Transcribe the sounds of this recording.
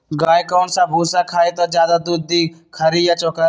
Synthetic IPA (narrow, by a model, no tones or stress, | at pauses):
ɡaːjkaʊɳʈsãːbʱuːsãkʰaːet̪ɐzjaːd̪ad̪ud̪iːkʰəɾijat͡ʃokə